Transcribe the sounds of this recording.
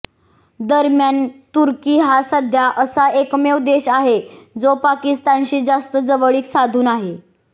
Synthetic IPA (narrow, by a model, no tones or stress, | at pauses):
d̪əɾmjant̪uɾkiːɦasəd̪ʱjaʔəsaekmewd̪eɕaɦed͡zopakist̪anɕiːd͡zast̪əd͡zəʋəɭiːksad̪ʱuːnaɦe